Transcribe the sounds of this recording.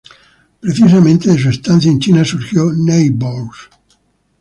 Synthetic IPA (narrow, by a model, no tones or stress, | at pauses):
pɾeθis̬amẽnt̪eðes̬uest̪anθjaent͡ʃinasuɾxjonejbols